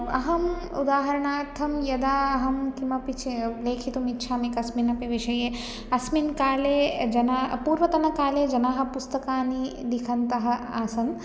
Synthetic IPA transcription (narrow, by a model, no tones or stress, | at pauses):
ɐ̰ɦɐmṵd̪aːɦɐɾɐɳaːt̪ʰːɐmjɐd̪aːɐɦɐmkimɐpit͡ʃʰileːkʰit̪umitːʃʰaːmekɐsminɐpiʋiʃɐje | ɐsminkaːled͡ʒɐnapuːɾʋɐt̪ɐnɐkaːled͡ʒɐnaːɦɐ̆pust̪ɐkaːnid̪ikʰɐnt̪ɐɦɐ̆aːsɐn